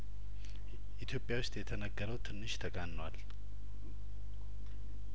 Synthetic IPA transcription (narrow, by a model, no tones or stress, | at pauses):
ʔit̪ʰjo̞pʼːjawʊst̪ʼjɛt̪ʰənəɡːəɾəwt̪ʰɨnːɨʃt̪ʰəkʼanːwal